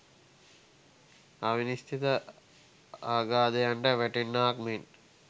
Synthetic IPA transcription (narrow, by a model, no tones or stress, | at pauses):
ɐʋinist̪ʰit̪ɐ | aːɡaːd̪ɐjɐɳɖɐʋeʈinːaːk̚min